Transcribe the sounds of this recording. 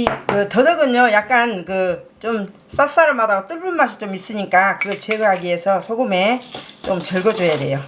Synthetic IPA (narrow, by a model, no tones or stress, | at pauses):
ikɯtʌdʌɡɯɲojak̚k͈ankɯt͡ɕom | s͈as͈aɾɯɭmadaɡot͈ɯɭbuɭmaɕʰi̥t͡ɕomis͈ɯɲik͈akɯɡʌt͡ɕeɡɯɦaɡiɦe̞sʰʌsʰoɡɯme̞t͡ɕomt͡ɕʌɭɡʌd͡ʑojade̞̰jo